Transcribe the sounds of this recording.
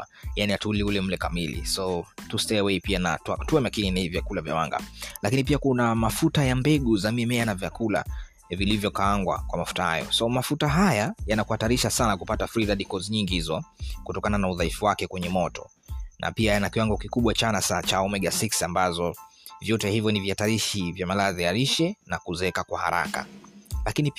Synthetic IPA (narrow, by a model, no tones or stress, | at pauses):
janiatuliulɛm̩lɛkamilḭsɔtustɛwɛipiana̰tatuamakininivjakulavja̰wa̰ŋɡa̰lakinipiakunamafutajambɛɠuzamimɛanavjakula̰ | vilivjɔkaaŋɡwa̰kwamafu̥taha̰jɔ̰sɔmafutaɦajajanakuhataɾiʃasanakupatafɾiðaɗikɔzɲiŋɡihizɔkutɔkananauðaifuwakɛkwɛɲɛmɔtɔ | nʔa̰piajanakiwaŋɡɔkikuɓwat͡ʃanasat͡ʃaɔmɛɠasiksambazɔ | vjɔtɛhivjɔnivjataɾiʃivjamalazijaɾiʃɛnakuzɛkakwaha̰ɾa̰ka̰lakini